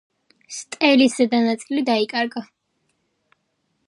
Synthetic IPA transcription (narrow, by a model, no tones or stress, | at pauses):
st̪ʼɛlisɛd̪anat̪sʼilid̪aikʼaɾɡa